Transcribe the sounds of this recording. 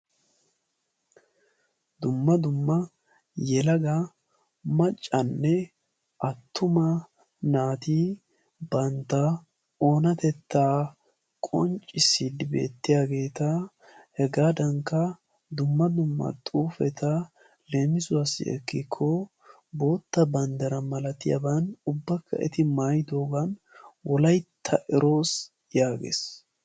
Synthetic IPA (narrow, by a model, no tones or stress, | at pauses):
d̪ʊmːɐd̪ʊmːɐ | jɛlɐɡɐ | mɐt͡ʃʼːɐnːɛ | ʔɐt̪ːʊmɐ | naːt̪iː | bɐnt̪ːɐ | o̞ːnɐt̪ɛt̪ːaː | kʼɔnt͡ʃʼːɪsid̪ɪbe̞̰ːt̪ːɪjaːɡe̞ːt̪ɐ | hɛɡaːd̪ɐŋkːɐ | d̪ʊmːɐd̪ʊmːɐ̰t̪ʼuːfɛt̪ʰɐ | le̞ːmɪzʊwasɪ̰ɛ̰kːɪkʰːɔ | bo̞ːt̪ːɐbɐnd̪ɐɾɐmɐlɐt̪ɪjɐ̰bɐnʊbːɐkʰːɐ̰ʔɛ̰t̪ɪmaːjd̪o̞ːɡɐn | wɔlɐjt̪ʰːɐʔɛɾo̞ːs | jaːɡḛːs